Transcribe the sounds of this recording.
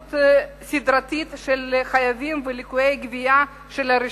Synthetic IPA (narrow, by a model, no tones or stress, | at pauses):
t̪ | sid̪ɾat̪it̪ʃelχajavimvelikuejɡvija | ʃelaɾi